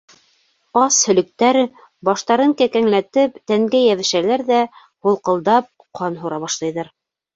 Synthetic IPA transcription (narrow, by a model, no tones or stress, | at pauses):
ɑshɵ̆lɵ̆k̚t̪æɾ | bɑʃt̪ɑɾɤŋkækæŋlæt̪ɘpt̪æŋɡæjæβɘ̆ʃælæɾðæ | hulˠqɤ̆lˠd̪ɑp̚ | qʰɑnɦuɾɑβɑʃlˠɑjðɑɾ